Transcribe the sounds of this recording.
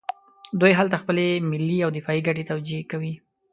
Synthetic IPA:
d̪ujɦalt̪axpəlemɪlːiawd̪ɪfɑiɡaʈ̬et̪awd͡ʒiekawi

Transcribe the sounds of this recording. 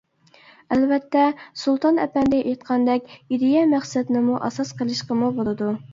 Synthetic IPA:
ælvɛt̪ːɛsulˠt̪ʰɑnɛ̰pɛnd̪ɪʔejt̪qʰɑnd̪ɛkʲid̪ɪjɛmæχsɛd̪nɪmuʔɑsɑsqʰəlˠɨʃqəmubolˠɨd̪u

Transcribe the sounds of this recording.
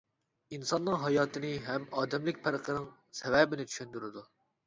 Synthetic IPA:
insɑnːɨŋɦɑjɑːt̪ʰɨnɨɦɛmɑːd̪ɛmlɪk̚ʲpʰɪɾəqʰənɨŋ | sɛvɛbɪnɪt͡ʃ̪ʰy̥ʃynd̪yɾɪd̪u

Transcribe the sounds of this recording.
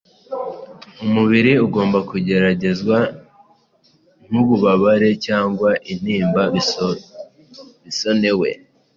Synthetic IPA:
umuβiɾiuɡo̞ːmbakuɟe̞ɾaɟe̞zɡwa | n̥huβuβaβaɾe̞caːŋɡwaʔin̥iːmba | βiso̞ne̞we̞̰

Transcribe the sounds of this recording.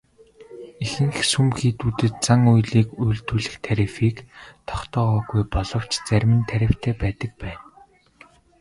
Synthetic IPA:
exɘ̆ŋxsumxiːt̪uːt̪ɘ̆t̪̚t͡saŋujɮiːkujɮt̪uːɮɘ̆xt̪ʰæɾifiːkt̪ʰɔ̥χt̪ɔːʁɔːɣujpɔɮɞ̆w̥t͡ɕt͡sæɾʲmɘ̆nt̪ʰæɾʲɪ̆w̥t̪ʰæːpæːt̪ə̆k̚pæːn

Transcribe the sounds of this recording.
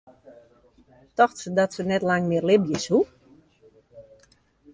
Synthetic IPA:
tɔxtsədɔtsənɛtlaŋmɪərlɪbjəshu

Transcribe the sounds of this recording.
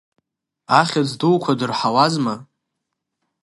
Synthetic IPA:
aχʲad͡zduwkʷʰadɨrħawazma

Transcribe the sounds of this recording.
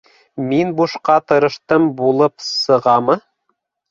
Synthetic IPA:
minbuʃqɑt̪ɤ̆ɾɤ̆ʃt̪ɤmbulˠɤpsɤ̆ʁɑmɤ

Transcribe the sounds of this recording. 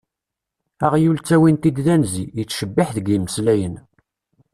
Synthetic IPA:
æʁjult͡sːæwint̪id̪ðænziət͡sːʃəbːɪħðəɡiməslæjən

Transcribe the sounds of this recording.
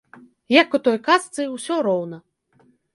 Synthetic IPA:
jakut̪ɔjkast̪sɨwsʲɔɾɔwnɐ

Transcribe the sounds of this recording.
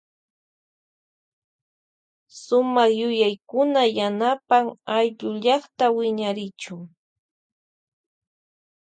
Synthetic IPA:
sʊmɑχjʊjajkʊnajanapaŋajʎʊʎɑχt̪awɪɲaɾɪt͡ʃʊŋ

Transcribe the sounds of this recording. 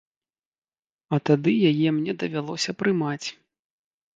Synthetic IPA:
ɐt̪ad̪ɨjajɛmnʲɛd̪ɐvʲalˠɔsʲɐpɾɨmat͡sʲ

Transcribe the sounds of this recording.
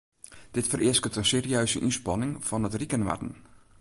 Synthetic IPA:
d̥ɪtfərʔɪəskətənseːriøːzəʔinspɑnɪŋfɔnətrikənʋa̰tən̩

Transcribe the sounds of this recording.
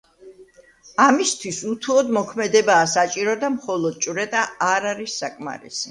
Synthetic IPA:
amist̪ʰwisut̪ʰuɔd̪mɔkʰmɛd̪ɛbaːsat͡ʃʼiɾɔd̪amχɔlˠɔd̪̥̚t͡ʃʼɾɛt̪ʼaaɾaɾisːakʼma̰ɾḭsi

